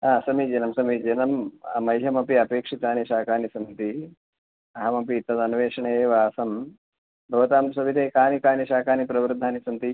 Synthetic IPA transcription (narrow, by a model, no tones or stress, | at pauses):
aːsɐmid͡ʒɐnɐmsɐmid͡ʒɐnɐmɐ̰mɐjɦɐmɐpiɐpeːkʂit̪aːniʃaːkaːnisɐmt̪i | ɐɦɐmɐpit̪ːɐd̪ɐnuʋeːʂɐɳeːʋɐːsɐm | bʱɐʋɐt̪aːmsɐbʱit̪eːkaːnikaːniʃaːkaːnipɾɐʋɾd̪ʱːaːnisɐnt̪i